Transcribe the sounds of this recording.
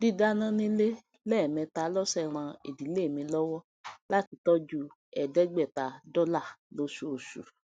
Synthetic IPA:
di˦da˦nã˦nĩ˦le˦ | lɛ˦˨mɛ̃˧ta˧˨˦lɔ˦sɛ˦˨ɾ̃ã˧ḛ˨di˨˦le˦˨mĩ˧lɔ˦wɔ˦ | la˦ti˨˧tɔ˦d͡ʒu˦ | ɛ˨dɛ˦ɡ͡bɛ˦˨ta˨dɔ˦la˦˨lo˦ʃu˦o˨ʃṵ˨

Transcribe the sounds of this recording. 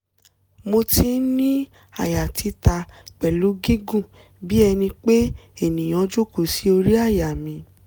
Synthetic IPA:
mo˧ti˧˦nĩ˦ | a˦˨ja˨ti˨˧˦ta˧k͡pɛ˨lu˨˦ɡi˦ɡũ˦˨ | bi˦ɛ˧nĩ˧k͡pe˦e˦˨nĩ˨j̃ɔ̃˧˦d͡ʒo˦ko˦˨si˨˦o˧ɾi˦a˦˨ja˨mĩ˧˦

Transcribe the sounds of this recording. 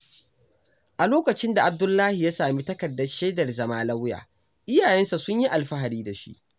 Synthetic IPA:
ʔa˨loː˦kɐ˨t͡ʃɪ˦nda˨ʔa˨b̚dʊ˦lːaː˦hi˨ja˦saː˨mi˦tɐ˦kɐ˨dːɐ˦rʃeː˦dɐ˨rzɐ˦maː˦la˦wja̰ː˨ | ʔɪ˦jaː˨jɛ˦nsa˨sʊ˦ɲji˦ʔa˨lɸa˦ɦa˨ɽiː˦da˨ʃḭ˦ʔ

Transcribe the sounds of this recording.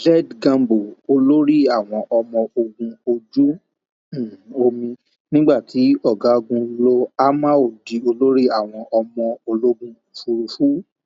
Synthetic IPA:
d͡ʒɛ˦˨dɡã˧mbo˨o˧lo˦ɾi˦a˦˨w̃ɔ̃˧ʔɔ˧mɔ̃˧o˧ɡũ˧o˧d͡ʒũ˦˨˦ | o˧mĩ˧ | nĩ˦ɡ͡ba˦˨tʰi˨˦ɔ˦˨ɡa˨˦o˧ɡũ˧lo˧a˦mã˦o˨di˨o˧lo˦ɾi˦a˦˨w̃ɔ̃˧ʔɔ˧mɔ̃˧o˧lo˦ɡũ˧˨fu˧ɾu˧fu˨˦

